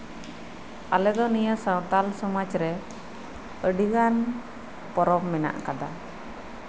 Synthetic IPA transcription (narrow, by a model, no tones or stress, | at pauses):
alɛd̪ɔnijasawt̪alsɔmat͡ʃɾɛ | əɖiɡan | pɔɾɔbmɛna̰ʔkad̪a